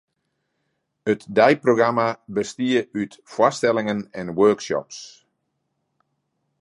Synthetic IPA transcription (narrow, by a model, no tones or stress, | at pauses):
ətdɛjproɡramabəstiəytfwɔstɛlɪŋənɛnwøːkʃɔ̰ps